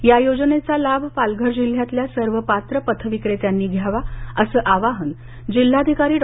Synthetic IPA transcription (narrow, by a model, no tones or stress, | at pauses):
jajod͡znet͡salabʱpalɡʱəɾd͡ʑil̤jat̪ljasəɾʋəpat̪ɾəpət̪ʰəʋikɽet̪janːiːɡʱjaʋaəsəːʔaʋaɦən | d͡ʑil̤ːad̪ʱikaɾiːɖ